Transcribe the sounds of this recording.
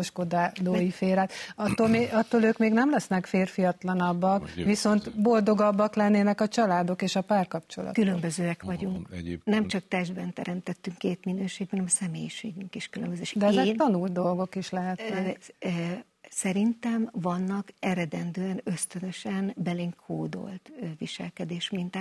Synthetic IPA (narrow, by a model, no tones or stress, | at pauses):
oʃkod̪aːloːjifeːɾaːt̪ɒt̪ːolmeɒt̪ːoːløːkmeːɡnɛmlɛsnɛkfeːrfijɒt̪lɒnɒbːɒkʋiso̞nt̪bo̞ld̪o̞ɡɒbːɒklɛnːeːnɛkɒt͡ʃɒlaːd̪o̞keːʃɒpaːrkɒpt͡ʃo̞lɒ̰t̪kylømbøzøːɛkʋɒɟuŋknɛmt͡ʃɒk̚t̪ɛʒd̪bɛnt̪ɛɾɛmt̪ɛt̪ːyŋkːeːt̪minøːʃeːɡ̚bɛnɛmsɛmeːjiʃeːɡyŋkiʃkylømbøzøːʃd̪ɛɛzɛt̪ɒnult̪̚d̪o̞lɡo̞kiʃlɛɦɛt̪ː | sɛɾint̪ɛmvɒnːɒkɛɾɛd̪ɛnd̪øːɛnø̞st̪ønø̞ʃɛnbɛliŋkʰoːd̪o̞̰lt̪ʋiʃɛ̰lkɛd̪eːʃmint̪a